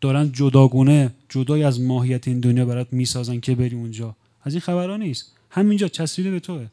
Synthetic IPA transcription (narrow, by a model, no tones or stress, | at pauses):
d̪̥ɒːɾænd̪̚d͡ʒod̪ɒːɡuːne̞d͡ʒod̪ɒːjiæzmɒːɦijæt̪ʰeiːnd̪onjɒːbæɾɒːd̪miːsɒːzæncʰe̞be̞ɾiːund͡ʒɒː | æziːnxæbæɾhɒːniːst̪ | hæmind͡ʒɒːt̪ʰæsɾiːd̪ebe̞t̪ʰoe